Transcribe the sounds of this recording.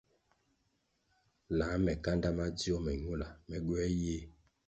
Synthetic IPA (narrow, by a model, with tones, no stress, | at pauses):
la˨˦mɛ˨ka˦nda˦ma˦di˦ɔ˦mɛ˨ɲu˦˨la˨mɛ˨ɡwɛ˦jeː˦